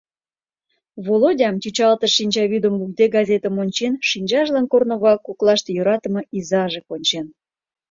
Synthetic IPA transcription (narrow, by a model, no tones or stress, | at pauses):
βolodʲɑmt̪ʲyt͡ɕɑlt̪əʃinʲt͡ɕɑβʲyd̪omluld̪eɡɑzʲet̪ə̆monʲt͡ɕenʃinʲt͡ɕɑʒlɑnkornoɣɑkːoklˠɑʃt̪ejoɾɑt̪ə̆mɤʔizɑʒekonʲt͡ɕen